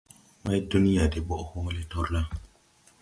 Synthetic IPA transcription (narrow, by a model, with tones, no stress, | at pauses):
ma˦jdu˦ni˦ja˨de˨ɓo˦ʔhu˦ŋ˦le˦to˦ɾla˦